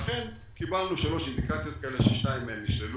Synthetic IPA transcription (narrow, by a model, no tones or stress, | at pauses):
χen | kibalnuʃalo̞ʃind̪ikat͡sjo̞t̪̚kaeleʃeʃnaimːemniʃlelu